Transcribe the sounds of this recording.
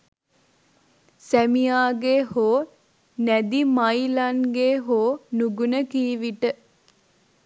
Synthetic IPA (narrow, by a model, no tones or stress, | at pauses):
sæmijaːɡehoː | næd̪imajlanɡeːɦoːnuɡunəkiːʋiʈə